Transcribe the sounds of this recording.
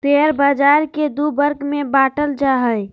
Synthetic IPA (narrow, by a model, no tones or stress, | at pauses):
t̪eɾbad͡ʒaɾked̪ubəɾɡmebaʈəld͡ʒaɦəj